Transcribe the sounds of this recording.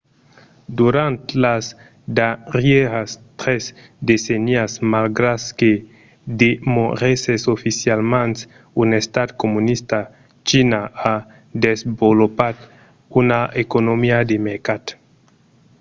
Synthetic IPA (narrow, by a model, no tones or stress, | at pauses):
d̪uɾant̪las | d̪arjeɣast̪ɾez | d̪eseniasmalɡɾaske | d̪emoɾesesofisjalmãns | unest̪ad̪komunist̪a | t͡ʃinaa | d̪ezbolopat̪ | unaekonomiad̪emeɾkat̪